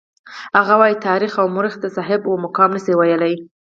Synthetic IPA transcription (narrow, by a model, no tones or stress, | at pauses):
haɣawɑjit̪ɑɾixawmʊɾɪxd̪əsɑɦɪbwomʊkɑmnəsiwajəlaj